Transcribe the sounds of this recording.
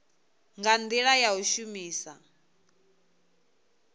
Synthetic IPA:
ŋɡand̪iɺajauʃumiːsa

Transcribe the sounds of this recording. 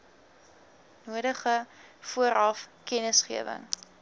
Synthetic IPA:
nuəɾəχəfuəɾɐfkɛnəsχiəvə̰ŋ

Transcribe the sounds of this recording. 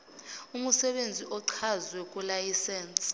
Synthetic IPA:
umusɛɓend͡zʱiʔɔǀʰazwɛk̬ʼulajisɛnsʼ

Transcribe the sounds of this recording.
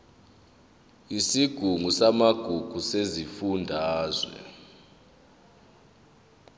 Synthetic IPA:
isiɡ̥ʱuŋʱusamaɡ̥ʱuɡ̥ʱusezifundʱaːzwɛ̰

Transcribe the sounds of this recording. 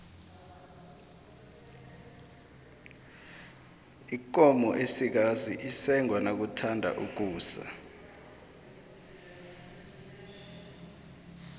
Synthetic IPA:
ikɔmɔʔesik̬aziʔisɛŋʱwanak̬utʰandʱa̰ʔuk̬uːsa̰

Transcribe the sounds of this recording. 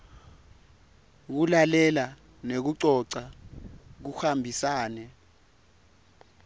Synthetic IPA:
k̬ulalɛla | nek̬uǀɔǀa | k̬uxambʱisaːnɛ

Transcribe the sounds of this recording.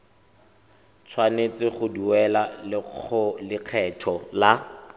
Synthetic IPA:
t͡sʰwanet͡sɪχʊduɛlalɪʊlɪq͡χʰɛtʰɔla

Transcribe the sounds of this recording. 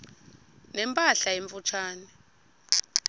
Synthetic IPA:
nɛmpʼaɬaeɱfut͡ʃʰaːnɛ

